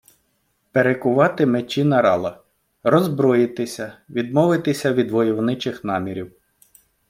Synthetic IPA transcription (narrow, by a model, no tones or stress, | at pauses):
peɾekʊʋɑt̪ɪmet͡ʃinɐɾɑlˠɐ | ɾɔzbɾɔjɪt̪ɪsʲɐʋʲid̪mɔʋɪt̪ɪsʲɐʋʲid̪ʋɔjɔwnɪt͡ʃɪxnɑmʲiɾʲiw